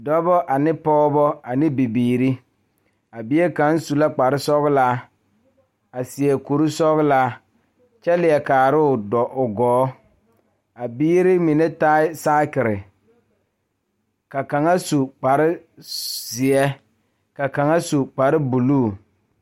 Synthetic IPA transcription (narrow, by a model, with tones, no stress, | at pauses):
dɔ˦bɔ˦ʔa˨nɪ˦pɔː˦bɔ˦a˨nɪ˦bi˨biː˨ɾi˦ | a˨bi˦e˦ka˨˦n˦su˨la˦k͡pa˨ɾɪ˦sɔ˦ɣlaː˦ | a˨sɪ˨ɛ˨ku˨ɾu˦sɔ˦ɣlaː˦ | t͡ʃɛ˦lɪ˨ɛ˨kaː˨ɾɪ˦ʊ˨dɔ˨ʔʊ˨ɡɔː˨˦ | a˨biː˦ɾi˦mi˨nɛ˦ta˦ɪ˦saː˦kɪ˨ɾɪ˨ | ka˨ka˨ŋa˦su˨k͡pa˨ɾɪ˦ | sɪ˨ɛ˦ | ka˨ka˨ŋa˦su˨k͡pa˨ɾɪ˦bu˨luː˦˨